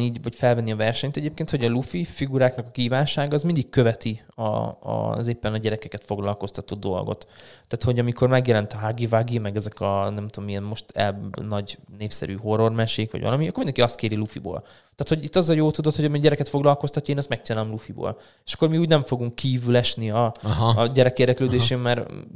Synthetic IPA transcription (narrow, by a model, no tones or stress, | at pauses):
iːɟvɒcfɛlvɛnːiɒvɛrʃɛɲt̪ɛɟeːpkeːnt̪ho̞ɟɒlufifiɡuɾaːknɒkɒkiːvaːnʃaːɡɒːzmind̪ikkøvɛt̪i | ɒ̰zeːpːɛnɒɟɛɾɛkɛkɛt̪fo̞ɡlɒlko̞st̪ɒt̪od̪̚d̪o̞̰lɡo̞̰t̪t̪ːaːt̪ho̞ɟɒmikʰo̞rmɛɡjɛlɛnt̪ɒɦaɡivaɡimɛɡɛzɛkɒnɛmt̪oomijɛnmo̞ʃt̪ɛ̰nɒɟneːpsɛ̰ɾy̰ːɦo̞rːo̞rmɛʃeːkʋɒ̰ɟʋɒ̰lɒmiɒkoːmind̪ɛŋkiɒst̪̚keːɾilufḭbo̰ːl | t̪aːt̪hoɟit̪ːɒzɒjoːlt̪ud̪ot̪hoɟɒmiɟɛɾɛkɛt̪fo̞ɡlɒlko̞st̪ɒcːɒeːnɛst̪mɛk̚t͡ʃinaːlomlufibo̰ːl | e̥ʃɒ̥kːo̞rmiuːɟnɛɱfo̞ɡuŋkːiːvylɛʃniɒɦɟɛɾɛkeːrd̪ɛkløːd̪eːʃeːmmɛɾ